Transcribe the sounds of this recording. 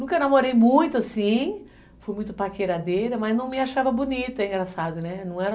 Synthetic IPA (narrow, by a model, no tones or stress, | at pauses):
nũkɐnamoɾejmũj̃t̪ʊasĩ | fojmũj̃t̪ʊpakeɾad̪ejɾɐmɐznɐ̃w̃mɪaʃavɐbonit̪ʊɛĩŋɡɾasad̪ʊnɛnɐ̃w̃ɛɾɐ